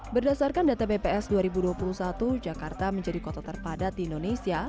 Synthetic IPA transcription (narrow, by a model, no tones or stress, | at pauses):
bərdasarkandat̪abepeɛsduaɾibuduapuluhsat̪ud͡ʒakart̪aməɲd͡ʒadikɔt̪at̪ərpadat̪̚diindonesia